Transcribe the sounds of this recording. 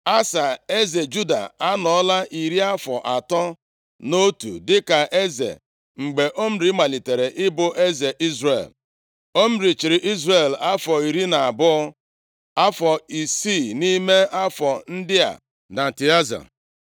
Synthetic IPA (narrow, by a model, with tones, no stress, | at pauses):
a˦sa˨e˦ze˨d͡ʒu˦da̰˨a˦nɔ˨ɔ˦la˦ʔi˨ɾi˦a˦fɔ˨ʔa˨tɔ˦ | no˦tṵ˨dɪ˦ka˨ʔe˦zḛ˨ | ŋ͡m̩˨ɡ͡be˨ʔo˦m̩˦ɾi˨˦ma˨li˨te˨ɾe˨ʔɪ˦bʊ˦ʔe˦ze˨ʔi˦zrḛ˨l | o˦m̩˦ɾi˨t͡ʃi˨ɾɪ˨ʔi˦zre˨la˦fɔ˨i˨ɾi˦na˨a˨bʊ˦ɔ˦ | a˦fɔ˨i˨si˦˨ni˦me˦a˦fɔ˨n̩˦dɪ˦a̰˨ | na˨ti˨a˦za̰˨